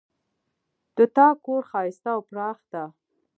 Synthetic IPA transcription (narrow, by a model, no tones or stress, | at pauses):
d̪̥ət̪ɑkoɾxɑjɪst̪awpɾɑxd̪a